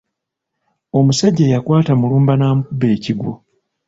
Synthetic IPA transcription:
o̞musaɟːejakwaːtamuluːmbanaːmukube̞ːciɡwo̰

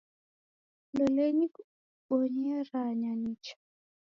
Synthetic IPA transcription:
lɔlɛɲik | ɔɲɛɾaɲanit͡ʃḁ

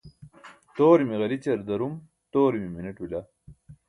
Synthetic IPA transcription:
t̪oːɾimiɣɐlit͡ɕɐɾd̪ɐɾum | t̪oːɾimimineʈwila

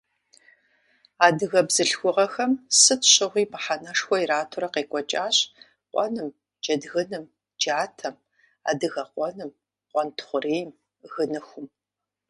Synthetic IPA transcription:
aːdɨɣɐbzɨɬxʷʊʁɐxɐmsɨtʰɕɨʁʷiːpʰaħanɐʂxʷɔiɾaːtʰuɾɐqeːkʷʼɔt͡ʃʼaːɕ | qʷʼɔ̰nɨm | d͡ʒɐdɣɨnɨm | d͡ʒaːtʰɐm | a̰ːdɨɣɐqʷɔnɨm | qʷɔntʰχʷʊriːjm | ɣɨnɨxʷʊm

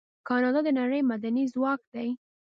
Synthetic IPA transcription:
kɑnɑd̪ɑd̪ənaɽəjmad̪anizwɑkd̪aj

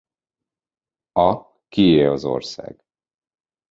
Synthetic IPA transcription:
ɒ | kieːlɒzo̞̰rsa̰ːɡ̥

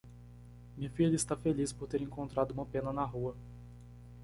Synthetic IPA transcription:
mĩfiʎɐist̪afelispoɾt̪eɾẽŋkõnt̪ɾad̪ʊũmɐpẽnɐnaɦuɐ

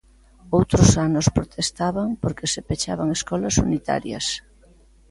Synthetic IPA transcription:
owt̪ɾʊsanʊspɾot̪ʰest̪aβaŋpoɾkesepet͡ʃa̰βaŋeskɔlɐsunit̪a̰ɾjɐ̰s

